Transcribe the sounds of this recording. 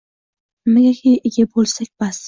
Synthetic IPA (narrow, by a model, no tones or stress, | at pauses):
mɪɡʲakʲʰejɪɡʲabolˠsakʲb̥as